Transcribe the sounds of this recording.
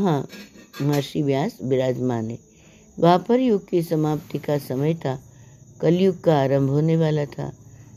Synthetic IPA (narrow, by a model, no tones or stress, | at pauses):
ɦãmɐɾʃiʋjaːsbɪɾaːd͡ʒmaːne | ʋɐɦãpəɾjʊɡ̚kisɐmaːpt̪ikasɐməjt̪ʰakɐljʊɡ̚kaːɾə̃mbʱɦoːneʋaːlat̪ʰa̰ː